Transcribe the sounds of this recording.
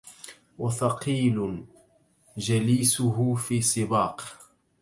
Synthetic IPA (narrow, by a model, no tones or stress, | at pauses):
wɑθɑqiːlʊ | d͡ʒaliːsʊɦʊfiːsˤɨbɑːq